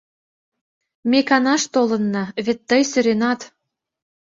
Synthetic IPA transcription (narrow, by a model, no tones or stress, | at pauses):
mʲekɑnɑʃt̪olɤ̆nːɑβet̪ːəjsø̆ɾenɑt̪